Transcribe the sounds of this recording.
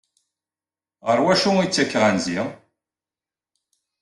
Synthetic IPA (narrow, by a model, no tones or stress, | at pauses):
əɾˤwæʃuit͡sːækːʁænzi